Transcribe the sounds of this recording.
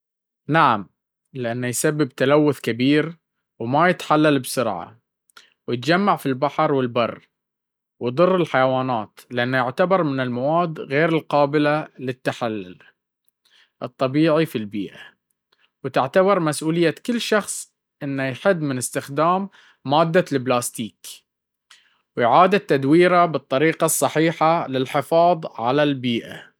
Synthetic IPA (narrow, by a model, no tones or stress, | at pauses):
naʕam | lɪʔanːajsabːɪbt̪alawːʊθkabiːɾ | wmajɪt̪ħalːalbsʊɾʕa̰ | wjɪt̪d͡ʒamːaʕfilbaħɾˤwɪlbɑrˤː | wjd̪ˤɨrˤːɪlħajwaːnaːt̪lɪʔanːajʊʕt̪abɑɾˤmɪnɪlmawaːd̪ɣeːɾɪlqɑːbɪlalɪt̪ːaħalːʊ̰l | ʔɨt̪ˤːɑbiːʕifilbḭːʔa | wt̪ɪʕt̪abɑɾˤmasʔuːlɪjːakɪlːʃɑxsˤ | ʔɪnːajħɪd̪ːmɪnɪst̪ɪxd̪aːmː | aːd̪ːalɪblaːst̪iːk | wjʕaːd̪at̪ːad̪wiːɾabɨt̪ˤːɑɾiːqɑsˤːɑħiːħalɪlħɪfɑːðˤʕa̰lalbiːʔa̰